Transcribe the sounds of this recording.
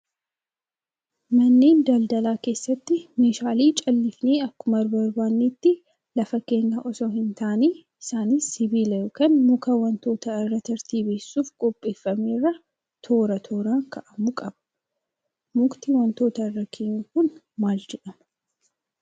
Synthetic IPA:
mɐnːeːnd̪ɐld̪ɐlaːke̞ːsːɐt̪ːɪmeːʃaːliːt͡ʃʼɐlːɪfneːɐkːʊmɐɾbɐɾbaːnːeːt̪ːɪ | lɐfɐke̞ːŋːɐʔɔsɔɦɪnt̪aːneː | ɪsaːnɪsːɪbiːlɐjokɐnmʊkɐwɐnt̪o̞ːt̪ɐɪrːɐt̪ɐɾt̪iːbeːsːuːfkʼɔpʼːe̞ːfːɐmeːrːɐ | t̪ʰo̞ːɾɐt̪ʰo̞ːɾaːŋkʰɐʔɐmʊkʼɐb̥ɐ̥ | mʊkt̪iwɐnt̪o̞ːt̪ɐɪrːɐkʰeŋːkʊn | maːld͡ʒɛᶑɐmɐ

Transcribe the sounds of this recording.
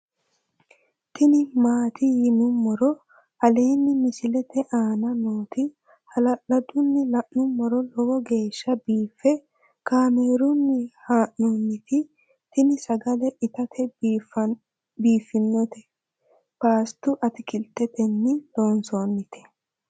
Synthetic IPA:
t̪ɪnɪmaːt̪ɪjɪnʊmːɔɾɔ | ɐle̞ːnːɪmɪsɪlɛt̪ɛʔaːnɐnoːt̪ɪ | hɐlɐlɐd̪ʊnːɪlɐʔnʊmːɔɾɔlɔwɔɡe̞ːʃːɐbiːfːɛ | kaːme̞ːɾʊnːɪhaːʔnonːɪt̪ɪ | t̪ɪnɪsɐɡɐlɛʔɪt̪ɐt̪ʰɛf | biːfːɪnːɔt̪ɛ | paːst̪ʊʔɐt̪ɪkɪlt̪ːɛt̪ɛnːɪlo̞ːnsoːnːɪt̪ɛ̥

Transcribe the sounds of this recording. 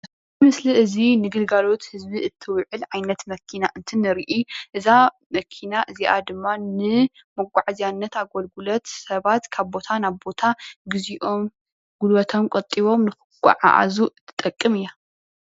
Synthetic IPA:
tɨmɨsliʔɨzinɨɡɨlɡalo̞t̪hɨzbiʔɨt̪ʰːɨwʕɨlʕajnɐt̪mɐkʰinaʔɨnt̪ʰɨnɨɾiʔiʔɨza | mɐkʰinaʔɨziʔa̰d̪ɨmːanɨ | mɐɡʷʼaʕzijanːɐt̪aɡolɡulɐt̪sɐβat̪kʰaβbo̞t̪ʰanaβbo̞t̪ʰaɡɨziʔo̞m | ɡulwɐt̪ʰomkʷʼɐt̪ʼiβo̞mnɨxɨkʷʼːa̰ʕa̰ʔa̰zuɨt̪ʰːɨ̥t̪ʼɐkʼːɨmɨjːa

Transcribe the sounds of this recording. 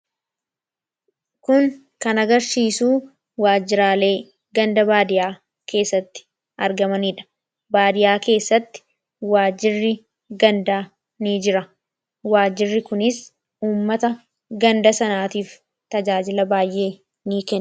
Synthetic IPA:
kʊŋ | kɐnɐɡɐɾsiːsuː | waːd͡ʒɪɾaːle̞ː | ɡɐnd̪ɐbaːd̪ɪjaː | ke̞ːsːɐt̪ːɪ̥ | ʔɐɾɡɐmɐniːᶑɐ̥ | baːd̪ɪjaːke̞ːsːɐt̪ːɪ̥ | waːd͡ʒɪrːɪ | ɡɐnd̪aː | niːd͡ʒɪɾɐ | waːd͡ʒɪrːɪkʊnɪs | uːmːɐt̪ɐ | ɡɐnd̪ɐsɐnaːt̪iːf | t̪ɐd͡ʒaːd͡ʒɪlɐbaːjʔe̞ː | niːkɛ

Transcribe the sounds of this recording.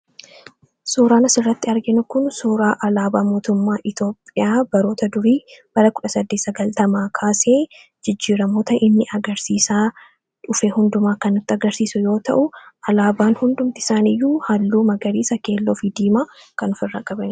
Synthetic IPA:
suːɾaːnɐsɪrːɐt̪ːɪɐɾɡɪnʊkʊnsuːɾaːʔɐlaːbaːmo̞ːt̪ʊmːaːʔɪt̪o̞ːpʼːɪjaːbɐɾo̞ːt̪ɐd̪ʊɾiːb̥ɐɾɐkʊᶑɐsɐd̪ːeːsɐɡɐlt̪ɐmaːkʰaːseː | d͡ʒɪd͡ʒːiːɾɐmo̞ːt̪ɐʔɪnːɪʔɐɡɐɾsiːsaː | ᶑʊfeːhʊnd̪ʊmaːkɐnʊt̪ːɪɐɡɐɾsiːsʊjo̞ːt̪ɐ̰ʔʊɐlaːbaːnhʊnd̪ʊmt̪ɪ̥saːnɪjːuːhɐlːuːmɐɡɐɾiːsɐke̞ːlːoːfɪd̪iːmaːkɐnʊfɪrːɐkʼːɐbɐn

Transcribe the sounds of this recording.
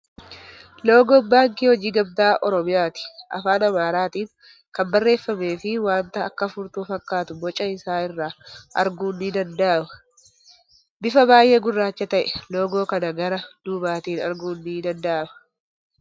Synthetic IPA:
lo̞ːɡoːbaːŋkihɔd͡ʒiːɡɐb̚d̪aːʔɔɾɔmɪjaːt̪ɪ̥ʔɐ̰faːnɐmaːɾaːt̪iːn | kɐmbɐrːe̞ːfːɐme̞ːfɪwaːnt̪ɐːkːɐfʊɾt̪uːfɐkːaːt̪ʊbɔt͡ʃʼːɐɪsaːɪrːaːʔɐɾɡuːnːid̪ɐnd̪ɐʔɐmɐ | bɪfɐbaːjʔeːɡʊrːaːt͡ʃːɐt̪ɐʔɛlo̞ːɡo̞ːkɐnɐɡɐɾɐd̪̥uːbaːt̪iːnɐ̰ɾɡuːnːid̪ɐnd̪ɐʔɐmɐ

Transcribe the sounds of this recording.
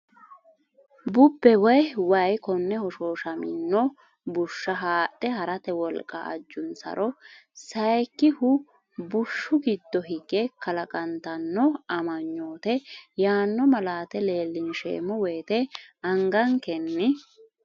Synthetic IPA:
bʊbːɛwɔjwɐjkɔnːɛhɔʃo̞ːʃɐmɪ̰nːɔ | bʊʃːɐɦaːɗʼːɛhɐɾɐt̪ɛwɔlkʼːɐ̰ʔɐ̰d͡ʒːʊnsɐ̰ɾʔɔsɐjkːɪhʊ | bʊʃːʊɡɪd̪ːɔɦɪɡɛkɐlɐkʼɐnt̪ɐnːɔɐmɐɲːoːt̪ɛjaːnːɔmɐlaːt̪ɛle̞ːlːɪnʃḛːmːɔwejːt̪ɛɐŋɡɐŋkɛnːɪ

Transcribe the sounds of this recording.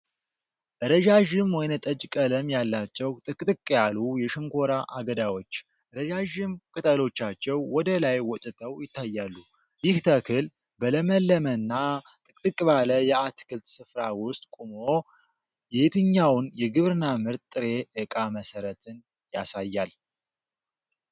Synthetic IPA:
ʔɨɾəd͡ʒaʒɪmwɔjnət̪ʼəd͡ʒkʼələmjalːat͡ʃːɛwt̪ʼɨkʼt̪ʼɨkʼːjalujɛʃɪŋko̞ɾaʔaɡəd̪awo̞t͡ʃː | ɾəd͡ʒaʒɨmkʼɨt̪ʼəlo̞t͡ʃːat͡ʃːɛwwɔd̪əlajwɔt̪ʼɨt̪ʰəwjɪt̪ːajːalːu | jɪht̪ʰəkʰɨl | bələməlːəmənːa | t̪ʼɨkʼt̪ʼɨkʼbaləjɛat̪kɨlt̪sɨfɾawʊst̪ʼkʼumo | jɛt̪ʰɨɲːawnjɛɡɨβɾnamɨɾt̪t̪ʼːɨɾe̞ʔɨkʼaməsəɾət̪ʰɨn | jasajːal

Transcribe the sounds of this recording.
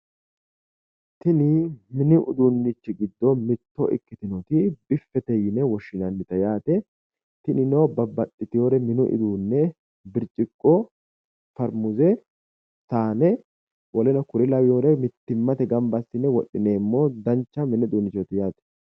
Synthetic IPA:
t̪ɪnɪmɪnɪʔʊ̰d̪unːɪt͡ʃːɪɡɪd̪ːɔmɪt̪ːɔʔɪ̰kːɪt̪ɪnɔt̪ɪbɪfːɛt̪ɛjɪnɛwɔʃɪnɐnːɪt̪ɐjaːt̪ɛ | t̪ɪnɪnobɐbɐt̪ʼːɪt̪ɪjoːɾɛmɪnʊʔɪ̰d̪uːnːɛ | bɪɾt͡ʃʼːɪkʼːɔ | fɐɾmʊzɛ | saːnɛ | wɔlɛnɐkʊɾɪlɐwɪjoːɾɛmɪt̪ːɪmːɐt̪ɛɡɐmbɐsːɪnːɛwɔɗɪneːmːoːd̪ɐnt͡ʃːɐmɪnɪʊd̪unːɪt͡ʃːɔt̪ɪjaːt̪ɛ̥

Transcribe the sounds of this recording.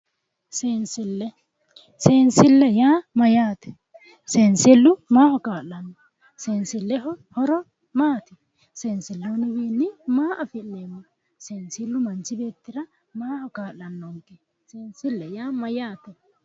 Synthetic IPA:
sensɪlːɛ | seːnsɪlːɛjaːmɐjaːt̪ɛ̥ | seːnsɪlːʊmaːhɔkaːlːɐnːɔ | seːnsɪlːɛɦɔhɔɾɔ | maːt̪ɪ | seːnsɪlːonɪbeːnːɪmaːʔɐfɪnːeːmːɔ | seːnsɪlːʊmɐnt͡ʃːɪbe̞ːt̪ːɪɾɐ | maːhɔkaːlɐnːɔŋkɛ | seːnsɪlːɛjaːmɐjaːt̪ɛ

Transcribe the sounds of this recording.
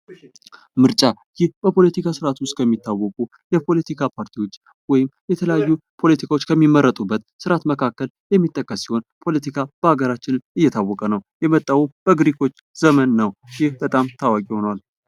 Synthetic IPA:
mɨɾt͡ʃʼa | jɪhbəpʰo̞lət̪ikʰasɨɾat̪wʊst̪̚ʼkʰəmːit̪ːawːɔkʼu | jɛpʰo̞lət̪ʰikʰapʰaɾt̪ʰiwo̞t͡ʃː | wɔjɪmjɛt̪ʰələjajːupʰo̞lət̪ʰikʰawot͡ʃːkʰəmːimːəɾːət̪ʼubːət̪sɨɾat̪məkʰakːəl | jɛmːit̪ʼːəkʼːəsːiho̞npʰo̞lət̪ʰikʰab̥əhaɡəɾat͡ʃːɪnɨnɨjːɛt̪ʰawːɔkʼənəwjɛmət̪ʼːawub̥əɡɨɾikʰo̞t͡ʃː | z̥əmənːəwjɪhbət̪ʼamt̪ʰawakʼiho̞nwal

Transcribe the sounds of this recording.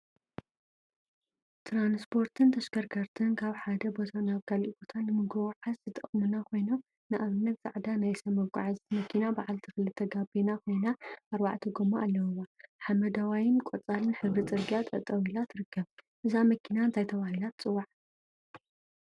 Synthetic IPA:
t̪ʰɾanspʰo̞ɾt̪ʰɨnt̪ʰɐʃkʰɐɾkʰɐɾt̪ʰɨnkʰaβħad̪ɐbo̞t̪ʰanaβkʰaliʔbo̞t̪ʰanːɨmɨɡowʕazzɨt̪ʼɐχʼmɨnakʰo̞jnom | nɨʔaβɨnːɐt̪z̥ʼaʕd̪anajsɐmɐβkʼa̰ʕazmɐkʰːinabaʕalt̪ʰɨxɨlɨt̪ʰɐɡabinakʰo̞jnaʔaɾwaʕt̪ʰɨɡomaalːɐwɨwːaħamɐd̪awajɪnkʼot͡sʼalɨnħɨβɾit͡sʼɨɾɡijat̪ʼɐt̪ʼɐwilat̪ʰɾɨkːɐβ | ʔɨzamɐkʰinant̪ʰajt̪ʰɐβahilat̪t͡sʼɨwːaʕ

